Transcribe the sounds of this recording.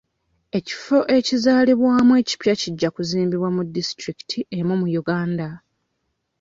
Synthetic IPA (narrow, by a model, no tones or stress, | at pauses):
e̞ci̥fo̞ʔe̞cizaːliβwaːmwe̞ːci̥pjaciɟːakuziːmbiβwamudːistɾiki̥tʰiʔe̞mumujuɡaːnda